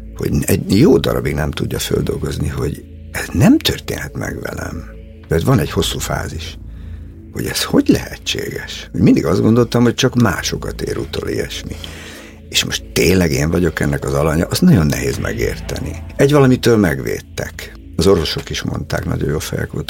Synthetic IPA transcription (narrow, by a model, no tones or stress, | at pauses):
ho̞̰ɟɛɟjoːd̪ɒɾɒbiɡnɛmt̪uɟːɒføld̪o̞lɡo̞zniɦo̞ɟ | ɛznɛmt̪ørt̪eːnhɛt̪mɛɡvɛlɛm | t̪ɛːt̪vɒnɛɟho̞sːuːfa̰ːziʃ | ho̞ɟɛsho̞ɟlɛɦɛt͡ʃːeːɡɛʃhoɟmind̪iɡɒzd̪ɡo̞nd̪o̞lt̪ɒmho̞c̚t͡ʃɒkmaːʃo̞kɒt̪eːɾut̪oːliɛʃmi | eːʃmo̞ʃt̪ːeːnlɛɡeːɱvɒɟo̞kɛnːɛkɒzɒlɒɲɒʔːsnɒɟo̞nːɛɦeːzmʔɛɡeːrt̪ɛniɛɟvɒlɒmit̪øːlmɛɡʋeːt̪ːɛk | ɒzo̞rvo̞ʃo̞kiʃmo̞nt̪aːknɒ̰ɟojoːfɛjɛ̰kʋolt̪